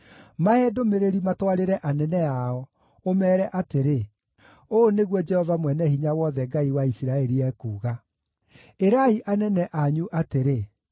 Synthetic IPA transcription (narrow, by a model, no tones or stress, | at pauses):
maɛdomeɾeɾimatwaɾeɾɛʔanɛnɛaɔ | omɛːɾɛʔateɾe | oneɣwɔd͡ʒɛhɔvamwɛnɛhiɲawɔðɛɡaiwaisiɾaɛɾiɛkuːɣa | eɾaiʔanɛnɛʔaɲuʔateɾe